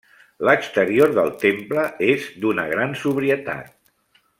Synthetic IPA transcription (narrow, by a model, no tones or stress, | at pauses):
ləkst̪əɾioɾðəlˠt̪empləezd̪unəɣɾansuβɾiət̪a̰t̪̚